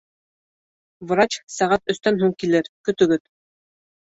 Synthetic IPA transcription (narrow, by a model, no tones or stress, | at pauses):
vɤ̆ɾɑt͡ɕsæʁæt̪ɵ̆st̪ænɦuŋkilɘɾkɵ̆t̪ɵ̆ɡɵt̪